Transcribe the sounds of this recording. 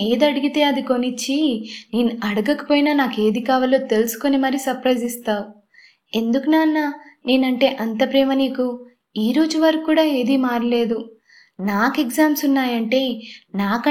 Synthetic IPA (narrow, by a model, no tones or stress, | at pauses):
eːd̪ɐɽiɡit̪e̞ːɐd̪iko̞nit͡ʃːineːnuɐɽɐɡɐkɐ̥poːjinaːnaːke̞ːd̪ikaːʋɐlo̞ːt̪e̞lusu̥ko̞nimɐɾisɐɾpɾɐjzist̪aːu | e̞nd̪ukunaːnːaneːnɐɳʈe̞ːʔɐnt̪ɐpɾɛːmɐniːku | iːɾo̞ːd͡ʒuʋɐɾɐkkːuːɽaːe̞ːd̪iːmaːɾle̞ːd̪u | naːkeɡzaːmsunːaːjɐɳʈe̞ːnaːkɐ